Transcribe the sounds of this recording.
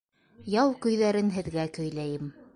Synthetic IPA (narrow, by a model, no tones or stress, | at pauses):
jɑwkɵ̆jðæɾɘnɦɘ̆ðɡækɵ̆jlæjɘm